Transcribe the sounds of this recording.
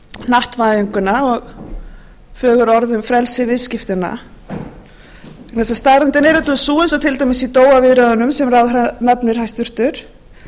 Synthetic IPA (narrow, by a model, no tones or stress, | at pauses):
naht̪vaðiŋkʏnaɔɣ | fœːɣʏɾɔɾðʏmfɾɛlsɪvɪðscɪft̪ɪna̰ | knɛsast̪aðɾɛnt̪ɪnɛɾʏt̪ʏsuːʏnsɔt̪ʰɪlt̪ajmɪsit̪oːwavɪðɾaðʏnʏmsɛmraːðanapnɪɾ̥hajst̪ʏr̥t̪ʏɾ̥